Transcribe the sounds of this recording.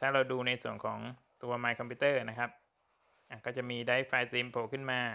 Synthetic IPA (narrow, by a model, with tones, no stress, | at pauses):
t̪ʰaː˥˩ɾa˧wduː˧na˧jsu˨˩əŋkʰɔː˩˦ŋ | t̪u˧ɐmaː˧jkʰɔ˧mpʰi˧˦˥t̪ɤː˥˩na˦˥kʰa˦˥p̚ | ʔaː˨˩kɔː˥˩t͡ɕa˨˩miː˧daː˦˥˩jfaː˧t̪iː˧mpʰoː˨˩kʰɯ˥˩nmaː˧